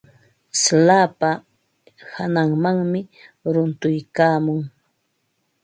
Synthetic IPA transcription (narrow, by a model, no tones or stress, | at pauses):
slaːpa | hanaŋmaŋmɪɾʊnt̪ʊjkaːmʊŋ